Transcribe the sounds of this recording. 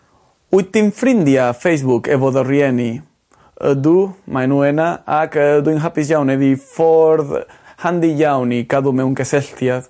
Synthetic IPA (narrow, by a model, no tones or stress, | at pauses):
ut̪imfɾind̪jafejzβukeβoðorjeni | ə̰d̪umajnwenaakd̪uiŋɦapizʝawneðifoɾðhand̪iʝawnikaðumeuŋkeseɬt̪jað